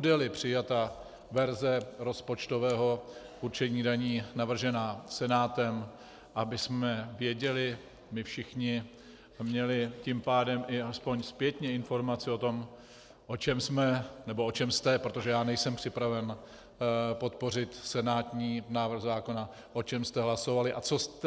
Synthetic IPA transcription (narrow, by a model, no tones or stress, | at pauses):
udɛlɪpr̥ɪjat̪a | vɛɾzɛɾo̞spo̞t͡ʃt̪o̞vɛːɦo̞ | ʔuɾt͡ʃɛɲiːdaɲiːnavr̩ʒɛnaːsɛnaːt̪ɛm | ʔabɪsmɛvjɛɟɛlɪ | mɪfʃɪxɲɪ | mɲɛlɪcɪmpaːdɛmʔɪaspo̞ɲspjɛt̪ɲɛɪnfo̞ɾmat͡sɪo̞t̪o̞m | ʔo̞t͡ʃɛmsmɛnɛbo̞ʔot͡ʃɛmst̪ɛpɾot̪oʒɛjaːnɛjsɛmpr̥ɪpɾavɛn | po̞t̪po̞r̝ɪt̪sɛnaːt̪ɲiːnaːvr̩ɣzaːko̞na | ʔo̞t͡ʃɛmst̪ɛɦlaso̞valɪʔat͡so̞st̪